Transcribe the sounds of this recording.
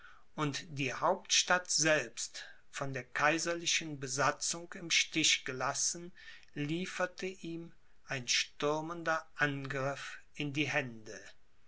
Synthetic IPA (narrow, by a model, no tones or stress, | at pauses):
ʔʊntd̥iːhaʊptʃtatz̥ɛlpst | fɔndeːɐkʰaɪzɐlɪʃənbəzat͡sʊŋkɪmʃtɪʃɡ̥əlasn̩ | liːfɐtʰəʔiːm | ʔaɪnʃtʏɐməndɐʔanɡʁɪfɪndiːhɛndə